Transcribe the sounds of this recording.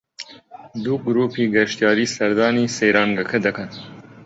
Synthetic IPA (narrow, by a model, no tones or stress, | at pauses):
d̪uɡɾuːpiːɡɐʃt̪ijɑːɾiːsɐɾd̪ɑːniːseːjɾɑːnɡɐkʰɐd̪ɐkɐn